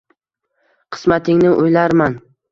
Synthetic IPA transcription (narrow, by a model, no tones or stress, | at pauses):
qʰɨ̥smat̪ʰɪŋnɪʔojlaɾman